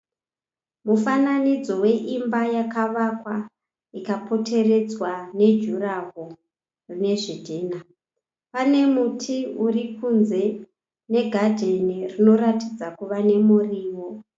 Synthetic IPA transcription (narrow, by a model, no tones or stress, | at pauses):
mufananid͡zo̞we̞ʔimbajakaʋakwa | ikapo̞te̞re̞d͡zwane̞d͡ʒuraɦo | rine̞ʐidʱeːna | pane̞mutʰiurikunze̞ | ne̞ɡʱadʱenirino̞ɾatid͡zakuʋane̞muriːwo